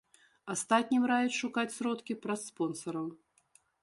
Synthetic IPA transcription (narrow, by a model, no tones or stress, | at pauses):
ast̪at̪ʲnʲimrajʲɛt͡sʲʂukat͡sʲsɾɔt̪kʲipɾɐsːpɔnsɐɾɐw